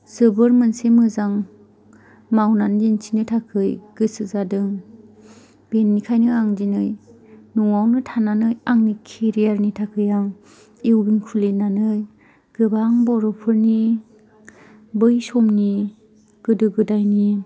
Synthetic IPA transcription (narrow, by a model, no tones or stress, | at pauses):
sɯbɯɾmɯnsemɯzaŋ | mawnand͡ʒint͡ʃʰinɯtʰakʰɯjɡ̥ɯsɯzadɯŋ | b̥enːikʰajnɯaŋd͡ʒinɯj | nuŋawnɯtʰananɯjaŋnikʰeɾijaɾnitʰakʰɯjaŋ | iwɡinkʰulinanɯj | ɡ̥ɯbaŋbɔɾɔpʰɯɾni | bɯjsɔmni | ɡ̥ɯdɯɡɯdajni